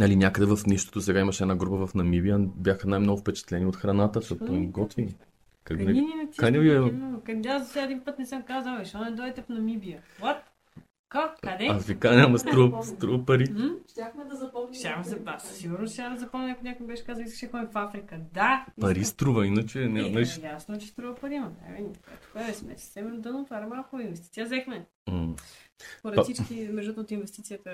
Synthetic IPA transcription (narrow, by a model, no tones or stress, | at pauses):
nɐlinʲakəd̪ɛvɐfniʃt̪o̥t̪osɛɡaimɐʃɛd̪naɡɾupəvɐfnɐmibiəbjaxənajmnoɡʊfpɛt͡ʃɛ̥t̪lɛniot̪xɾɐnat̪ət̪opoɡɔt̪vin | kaknɛnikajnɛbiimnkɐazɐsɛɛd̪inpət̪nɛsəmkazəlˠɛʃɔnɛd̪ɔɛt̪ɛpnɐmibiəwɔt̪ | kokad̪ɛɐfɾikanʲamɐst̪ɾuvst̪ɾuvəpɐɾiʃt̪ʲaxmɛd̪ɐzɐpɔʃʲaxmɛzɐpasiɡuɾnosʲad̪əzɐpɔmnʲnakoinʲakoimibɛʃɛ̥kazɐlˠiskəʃɛxɔnifafɾikəd̪apɐɾist̪ɾuvɐinət͡ʃɛnʲanɐit͡ʃjasnot͡ʃɛst̪ɾuvəpɐɾimɐt̪a̰vinkoɛ̰t̪ʊ̥kɛvɛsmɛ̰sɛ̥sɛmɾd̪ənot̪vaɾɛmalˠkoinvɛst̪i̥t̪sʲijəzɛxmɛ | poɾɛt̪sit͡ʃkimɛʒd̪ɔt̪əot̪invɛst̪it̪sijət̪ə